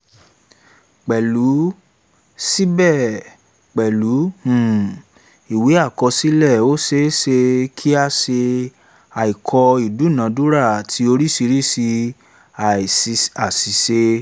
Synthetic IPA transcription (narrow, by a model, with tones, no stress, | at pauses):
k͡pɛ˨lu˨˦ | si˦bɛ˦˨ | k͡pɛ˨lu˨˦hũ˨ | i˨wi˨˦a˦˨kɔ˧si˦lɛ˦˨o˦se˧˦ʃe˧kʰi˦a˧ʃe˧ | a˨i˨kʰɔ˧i˨du˨˦˨nã˨˦du˦ɾa˦˨tʰi˧˦o˧ɾi˦si˧ɾi˦˨si˧ | a˨˧a˨si˨se˧